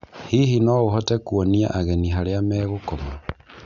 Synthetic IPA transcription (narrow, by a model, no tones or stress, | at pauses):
hiɦinɔɣoɦɔtɛkwɔnia̰ʔaɣɛniɦaɾeamɛːɣokɔma